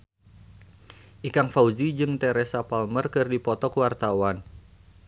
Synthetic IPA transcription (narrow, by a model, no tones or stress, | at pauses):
ʔikaŋfauzid͡ʒɨŋt̪ɛɾɛsapalmərkɨrdipɔt̪ɔkəwart̪awan